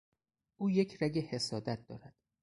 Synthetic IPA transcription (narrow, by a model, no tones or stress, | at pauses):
ʔuːje̞cʰræɟehe̞sɒːd̪æt̪̚d̪̥ɒ̰ːɾæd̪̥